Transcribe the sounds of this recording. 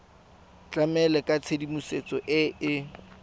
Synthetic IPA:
t͡ɬʼamɛlɛkʼat͡sʰedimuset͡sʼɔʔɪɪ

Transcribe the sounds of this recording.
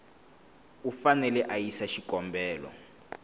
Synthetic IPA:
ufanɛlɛʔajisaʃikɔmbɛːlɔ̰

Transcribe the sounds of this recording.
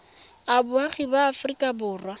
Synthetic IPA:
abʊaχibaːfrikʼabʊːrwa

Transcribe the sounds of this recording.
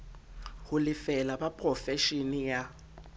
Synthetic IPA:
hʊlɪfɛlabapʼrɔfɛʃinija

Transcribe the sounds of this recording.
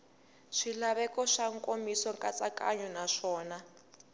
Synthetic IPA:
ʂilaβɛkɔʂaŋkʼomisɔŋkʼat͡sakʼa̰ɲɔnaʂɔːna

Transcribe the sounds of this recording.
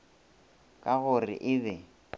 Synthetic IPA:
kʼaɣʊrɪ̰ʔɪbɛ

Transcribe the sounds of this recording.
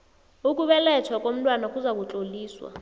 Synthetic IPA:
ukʼuɓɛlɛtʰwakʼom̩tʼwanakʼuzak̬ʼut͡ɬʼoliːswa̰

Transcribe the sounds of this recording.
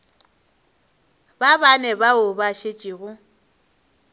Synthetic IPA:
babanɛbaʊbaʃet͡ʃʼiɣʊ

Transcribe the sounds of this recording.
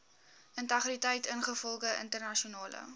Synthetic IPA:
ʔəntɐχritəjtənχəfɔlˠχəə̰ntərnɐʃiunɑːlə̰

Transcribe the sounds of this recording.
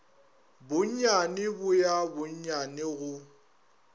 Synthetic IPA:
bʊɲ̩ɲanɪbʊjabʊɲ̩ɲanɪɣʊ

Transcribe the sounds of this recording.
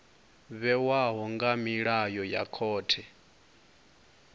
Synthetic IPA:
βɛwaɦɔŋɡamiɺajɔja̰kʰɔːtʰɛ

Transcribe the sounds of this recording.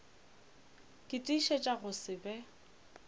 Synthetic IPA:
kʼɪtʼiʃɛt͡ʃʼaɣʊsɪbɛ

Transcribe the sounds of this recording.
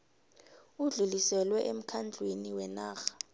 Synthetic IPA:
uɮulisɛlwɛʔem̩kʰand͡ɮʱweniwɛnaːxḁ

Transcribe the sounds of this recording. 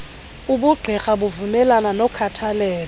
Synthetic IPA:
uɓuɡ͡ǀʱɛxaɓuvumɛlananɔkʰatʰalɛːlɔ

